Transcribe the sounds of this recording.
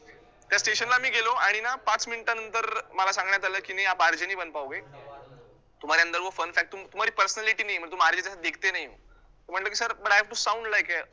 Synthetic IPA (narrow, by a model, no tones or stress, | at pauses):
t̪jasʈeɕənlaːmiːɡʱeloaɽ̃inapat͡sminiʈjanənt̪əɾməlasãŋɡɳjat̪aləkineapaɾd͡ʑeniːbənd̪paʋɡe | t̪um̤aɾjand̪əɾʋəfənfæk̚ʈ̚t̪umt̪umaɾiːpəɾsənaliʈiːnaɦimət̪uːmaɾd͡ʑet͡ɕasad̪ekʰt̪enaɦi | t̪əm̤əɳʈləːk̬iːsəɾbəɽafʈusaũɳɖlajke